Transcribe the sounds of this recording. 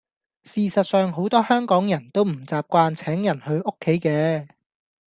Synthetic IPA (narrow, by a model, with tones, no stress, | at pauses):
siː˨sɐ˨t̚sœː˨˧ŋɦo˨˥wt̪ɔː˥hœː˥ŋkɔː˨˥ŋjɐ˨˩nt̪o˥wm̩˨˩t͡saː˨p̚kʷaː˧nt͡sʰɛː˨˥ŋjɐ˨˩nhɵ˧ɥʔo˥kʰːe˨˥jkɛː˧